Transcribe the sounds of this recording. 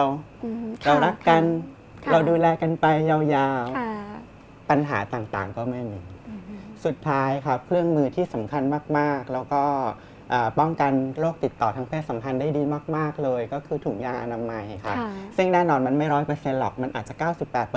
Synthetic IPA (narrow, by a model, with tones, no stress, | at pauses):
w | ɾa˧wɾa˦˥kːa˧n | ɾa˧wduː˧lɛː˧ka˧npa˧jːa˧wjaː˧w | pa˧nɦa̰ː˩˦t̪aː˨˩ŋt̪a̰ː˨˩ŋkɔː˥˩ma˥˩jmiː˧su˨˩t̪ʰːaː˦˥jkʰa˦˥p̚kʰɾɯ˥˩əŋmɯː˧t̪ʰiː˥˩sa˩˦mkʰa˧nmaː˥˩k̚maː˥˩k̚lɛː˦˥wkɔː˥˩ | ʔaː˨˩pɔ˥˩ŋka˧nɾoː˥˩k̚t̪i˨˩t̪ːɔː˨˩t̪ʰaː˧˥ŋpʰeː˥˩t̪sa˩˦mkʰa˧ndaː˥˩jdiː˧maː˥˩k̚maː˥˩k̚lɤː˧jkɔː˥˩kʰɯː˧t̪ʰu˩˦ŋjaː˧ʔa̰˧naː˧ma˧jkʰa˦˥sɯ˥˩ŋnɛː˥˩nɔː˧nma˧nma˥˩jɾɔː˦˥jpɤː˧se˧nlɔ̰˨˩k̚ma˧nʔa̰ː˨˩t̪̚t͡ɕa˨˩kaː˥˩wsi˨˩pːɛː˨˩t̪̚